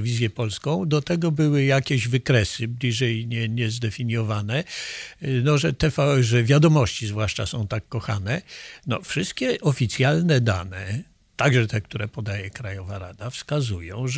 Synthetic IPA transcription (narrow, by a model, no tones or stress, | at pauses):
vʲizʲjɛpɔlskɔ̃w̃d̪ɔt̪ɛɡɔbɘwɘjakʲeʑvɘkɾɛsɘblʲiʐɛjɲɛɲɛzd̪ɛfʲiɲjɔvanɛ | nɔʐɛt̪ɛfaʐɛvʲjad̪ɔmɔɕt͡ɕizvwaʂt͡ʂa̰sɔ̃w̃t̪akːɔxa̰nɛnɔ̰fʂɘst̪̚kʲɛʔɔfʲit̪sʲjalnɛd̪a̰nɛ | t̪aɡʐɛt̪ɛk̚t̪uɾɛpɔd̪ajɛkɾajɔvaɾad̪afskazujɔ̃w̃ʐ